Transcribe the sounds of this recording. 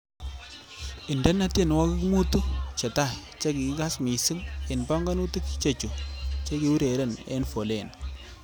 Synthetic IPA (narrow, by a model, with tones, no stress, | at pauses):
ɪ˨ndɛ˦nːa˦te˦˨n˨wa˦kɪ˦kmu˦tu˦t͡ʃe˨ta˦˨t͡ʃe˦ki˨˦ka˦smi˨si˦ŋɪ˨nba˦ŋɡa˦nu˦ti˦kt͡ʃe˨t͡ʃu˨t͡ʃe˦ki˨u˦ɾe˨ɾe˦˨nḛ˦nfo˨le˨n